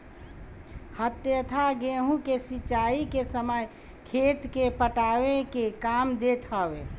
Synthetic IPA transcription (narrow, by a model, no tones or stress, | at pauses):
hət̪jət̪ʰaɡeɦũkesit͡ʃaːikesəməj | kʰeːt̪kepəʈawekekaːmd̪et̪ʰəwe